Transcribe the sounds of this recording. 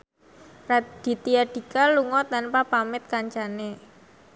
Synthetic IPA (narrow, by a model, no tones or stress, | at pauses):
rad̪̥i̤t̪iaɖ̥i̤kaluŋɔt̪anpapamɪt̪̚kaɲt͡ʃane